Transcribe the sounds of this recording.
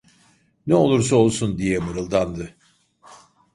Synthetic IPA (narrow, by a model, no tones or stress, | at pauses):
nɛo̞lˠuɾs̬ao̞lˠsund̪ijɛmɯɾɯlˠd̪and̪ɯ